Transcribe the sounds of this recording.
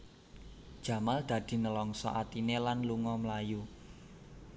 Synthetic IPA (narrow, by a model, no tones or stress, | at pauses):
d̥ʒ̥ä̤mald̪̥ä̤d̪̥i̤nəlɔŋsɔ̰ʔat̪inelanluŋɔmlaju